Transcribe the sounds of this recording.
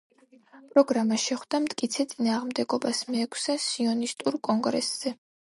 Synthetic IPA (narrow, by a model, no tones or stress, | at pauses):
pʼɾɔɡɾamaʃɛχwd̪amt̪ʼkʼit̪sʰɛt̪sʼinaːʁmd̪ɛɡɔbasmɛːkʷʰsɛsiɔnist̪ʼuɾkʼɔŋɡɾɛ̰sz̥ɛ